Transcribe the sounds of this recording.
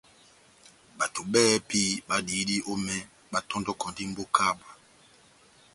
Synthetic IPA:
ba˨tu˨ɓɛː˦pi˦ba˦di˨˦di˦ʔo˦mɛ˦ | ba˦tɔ̃˦ndɔ˦kɔ̃˨ndi˦m̩˦bo˦kʰa˦ba˨

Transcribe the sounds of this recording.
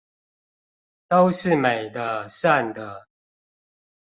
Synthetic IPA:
t̪o˦ʊʂɻ̩˥˨me˨˩ɪd̪ə˦ʂa˥˨nd̪ə˨

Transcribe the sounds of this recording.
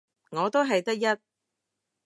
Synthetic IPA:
ŋɔː˨˧t̪o˥wɦɐ˨jt̪ɐ˥k̚jɐ˥t̚

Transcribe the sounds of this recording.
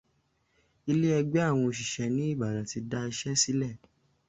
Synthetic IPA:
i˧le˦ɛ˧ɡ͡bɛ˦a˦˨w̃ɔ̃˧o˧ʃ̬i˨ʃɛ˨˦nĩ˨˦i˦˨ba˨da˨˦ti˧da˧˦i˧ʃɛ˦si˦lɛ˦˨

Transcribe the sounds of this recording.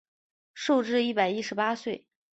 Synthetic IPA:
ʂo˥˧ʊʈ͡ʂɻ̩˥˧i˥˩pa˨˩ɪi˥ʂɻ̩˧˥pa˥swe˥˩ɪ

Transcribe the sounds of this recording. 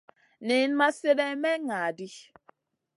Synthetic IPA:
nɪ˨˦n˦ma˦se˦ɾɛ˦mɛ˦ŋa˨di˦

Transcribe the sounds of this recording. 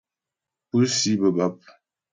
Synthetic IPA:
pə˦si˦bə˨ba˦p̚

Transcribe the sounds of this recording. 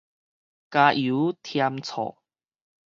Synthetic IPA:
ka˧ju˨˦t̪ʰja˧mt͡sʰɔ̰˨˩

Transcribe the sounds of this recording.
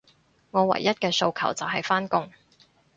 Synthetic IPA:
ŋɔː˨˧wɐ̰˨˩jːɐ˥t̚kɛː˧so˧wkʰɐ̰˨˩wt͡sɐ˨wɦɐ˨jfaː˥nkʊ˥ŋ

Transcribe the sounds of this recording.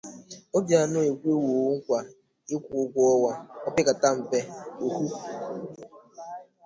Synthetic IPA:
o˦bja˨nʊ˦e˨kʷe˦wu˨˦ŋ̩˦kʷa˨ | ɪ˦kʷʊ˨˦ɡʷɔ˦wa˦ɔ˦pɪ˦ka˨ta˦m̩˨be˦o˨ku˦

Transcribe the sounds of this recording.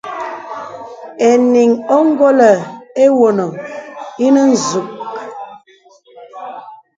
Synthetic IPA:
e˨ni˨ŋo˦ŋ˦ɡo˦lə˨e˦wo˨no˨i˦nə˦n̩˨zu˨k̚

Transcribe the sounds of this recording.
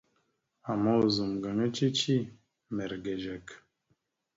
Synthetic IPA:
a˨mɔ˦˨zu˨mɡa˨ŋə˦t͡ʃi˦t͡ʃi˦ | mɛ˨ɾɡɛ˨d͡ʒɛ˨k

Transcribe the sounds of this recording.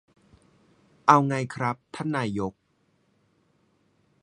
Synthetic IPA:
ʔa˧wŋa˧jkʰɾa˦˥p̚t̪ʰa˦˥˩nːaː˧jo˦˥k̚

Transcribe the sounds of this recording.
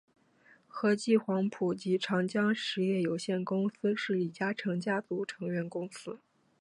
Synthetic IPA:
xɤ˧˥t͡ɕi˥˩xwɑ˧˥ŋpʰu˨˩t͡ɕi˧˥ʈ͡ʂʰɑ˧˥ŋt͡ɕjɑ˥ŋʂɻ̩˧˥jɛ˥˩jo˨˩ʊɕjɛ˥˩nkʊ˥ŋsɹ̩˥ʂɻ̩˥˩i˨˩t͡ɕja˥ʈ͡ʂʰɤ˧˥ŋt͡ɕja˥t͡su˧˥ʈ͡ʂʰɤ˧˥ŋɥɛ˧˥nkʊ˥ŋsɹ̩˥

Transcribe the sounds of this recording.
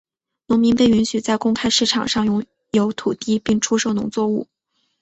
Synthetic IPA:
nʊ˧˥ŋmi˧˥ŋpe˥˩ɪy˧˥nɕy˨˩t͡sa˥˧ɪkʊ˥ŋkʰa˥ɪʂɻ̩˥˩ʈ͡ʂʰɑ̰˨˩ŋʂɑ˥˩ŋjʊ˧˥˩ŋ | jo˧˥ʊt̪ʰu˨˩t̪i˥pi˥˩ŋʈ͡ʂʰu˥ʂo˥˩ʊnʊ̰˧˥ŋt͡swɔ˥˧u˥˩

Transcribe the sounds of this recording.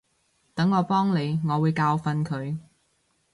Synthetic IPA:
t̪ɐ˨˥ŋːɔː˨˧pɔː˥ŋne˨˧jŋɔː˨˧wuː˨˧jkaː˧wfɐ˧nkʰɵ˨˧ɥ

